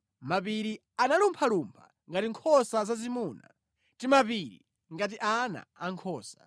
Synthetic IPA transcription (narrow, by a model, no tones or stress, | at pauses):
mapiɾi | analumpʰalumpʰa̰ | ŋɡatiŋkʰɔsazazimuːna̰ | timapiɾḭ | ŋɡat̬iʔana̰ːŋkʰɔːsḁ